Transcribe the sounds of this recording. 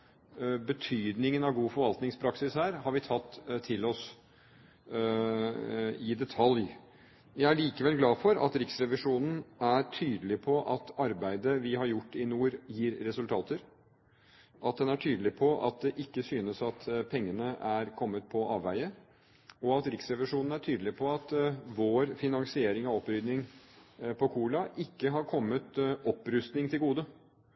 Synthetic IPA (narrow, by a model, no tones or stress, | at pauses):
bət̪ʰyːd̪nɪŋənɑʋɡuːfɔɾʋɑlt̪nɪŋspʰɾɑksɪshæːɾhɑɾʋɪt̪ʰɑt̪ʰːɪlɔs | ɪd̪ɛt̪ʰɑlj | jæɪæɭiːkəʋɛlɡlɑːfɔɾɑ̰t̪ɾɪksɾɛʋɪʂuːnn̩æɾʈʰyːd̪əlɪpʰɔʔɑt̪ɑɾbæɪd̪əʋɪɦɑɾjʊʈːɪnuːɾjiːɾːɛsʉlt̪ʰɑːt̪əɾ | ʔɑt̪̚d̪ɛnæʈʰyːd̪lɪpʰɔʔɑ̰t̪̚d̪ɛʔɪkːəsyːnəsɑt̪pʰɛŋːənəæɾkʰɔmːət̪̚pʰɔʔɑːʋʋæɪə | ɔɑt̪ɾɪksɾɛʋɪʂuːnn̩æʈʰyːd̪əlɪpʰɔɑt̪ʋoːɾfɪnɑŋsɪeːɾɪŋɑɔpɾʏd̪nɪŋ | pʰɔkʰuːlɑʔɪkːəɦɑɾkʰɔmːət̪ɔpːɾʉst̪nɪŋt̪ʰɪlɡuːd̪ə